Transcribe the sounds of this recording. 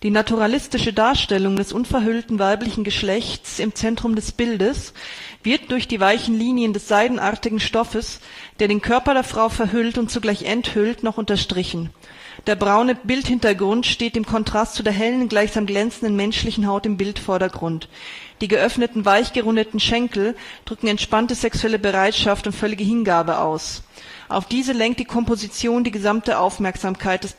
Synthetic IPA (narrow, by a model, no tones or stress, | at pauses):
d̥iːnatʰuʁalɪstɪʃədaːɐʃtɛlʊŋdɛsʔʊnfɛɐɦʏltn̩vaɪplɪçn̩ɡəʃlɛçtt͡sɪmt͡sɛntʁ̥ʊmdɛsb̥ɪldəsv̥ɪɐt̚d̥ʊɐçd̥iːvaɪçn̩liːnjəndɛsz̥aɪdn̩ʔaɐtɪɡŋ̩ʃtɔfəsd̥eːɐɾeːnkʰœɐpɐdeːɐfʁ̥aʊfɛɐɦʏltʊntt͡suɡlaɪçʔɛnthʏltnɔχʔʊntɐʃtʁ̥ɪçn̩ | d̥eːɐbʁaʊnəbɪlthɪntɐɡʁʊntʃteːt̚d̥eːmkʰɔntʁ̥astt͡sudeːɐɦɛlənɡlaɪçz̥aːmɡlɛnt͡sn̩dənmɛnʃlɪçn̩ɦaʊtɪmbɪltfɔɐɾɐɡʁʊntd̥iːɡəʔœfnətn̩vaɪçɡ̥əʁʊndətn̩ʃɛŋkl̩d̥ʁʏkŋ̩ɛntʃpantəzɛksuɛləbəʁaɪtʃaftʊntfœlɪɡəɦɪnɡaːbəʔa̰ʊs | ʔa̰ʊfd̥iːzəlɛŋkt̚d̥iːkʰɔmpozit͡sjoːndiːɡəzamtəʔaʊfmɛɐkz̥aːmkʰaɪt̚d̥ɛs